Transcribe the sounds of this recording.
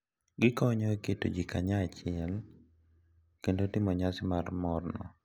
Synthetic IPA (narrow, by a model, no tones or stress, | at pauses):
ɡɪkɔɲɔeketo̰d͡ʒikaɲaːt͡ʃɪɛl | kendotɪmɔɲasɪmarmɔrnɔ̰